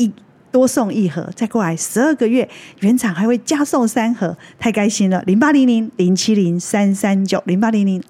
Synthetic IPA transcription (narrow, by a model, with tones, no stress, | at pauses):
i˥˧ | t̪wɔ˦˥sɔ˥˧ŋi˥˩xɤ̰˧˦t͡sa˥˧ɪkwla˧˥˦ɪʂɻ̩˧˦ə˥˩ɡə˨ɥɛ˥˩ɥɛ˨˦nt͡sʰɑ˨˩ŋxa˧˥ɪwe˥˩ɪt͡ɕja˥so˥˨ŋsa˦˥nxɤ˧˦t̪ʰa˥˩ɪka˥ɪɕi˦nlə̰˨li˧˥˦ŋpa˦˥li˧˥ŋli˧˥ŋli˧˥ŋt͡ɕʰi˦˥li˧˥˦ŋsa˦nsa˦nt͡ɕjo˨˩ʊli˧˥ŋpa˦˥li˧˥ŋli˧˥˦ŋ